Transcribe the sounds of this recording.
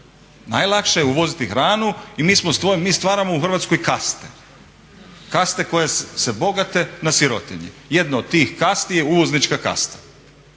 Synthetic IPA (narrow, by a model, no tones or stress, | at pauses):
na̰jlˠakʃejeuʋo̞zit̪ixɾaːnuimiːsmost̪ʋomiːst̪ʋaːɾamouxr̩ʋat̪skojkast̪e̥ | kast̪e̞ko̞jesebo̞ɡat̪e̞nasiɾot̪eɲḭje̞d̪naod̪̚t̪ːiːxkast̪ije̞uʋo̞znit͡ʃkaka̰st̪ḁ